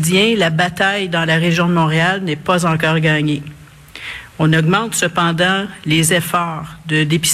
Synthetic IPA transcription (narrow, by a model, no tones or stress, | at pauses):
jɛ̃labat̪ajd̪ɑ̃laʁeʒjɔ̃d̪əmɔ̃ːʁealnɛpazɑ̃k̬ɑːʁɡɑːɲe | ɔ̃nɔɡmɑ̃t̪səpɑ̃d̪ɑ̃lezɛfɑːʁd̪əd̪epi̥s